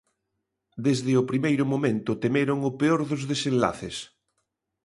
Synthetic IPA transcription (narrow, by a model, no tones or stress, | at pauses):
d̪ezðɪʊpɾimejɾʊmomẽnt̪ʊt̪emeɾoŋʊpeoɾðʊzðesẽnla̰θɪs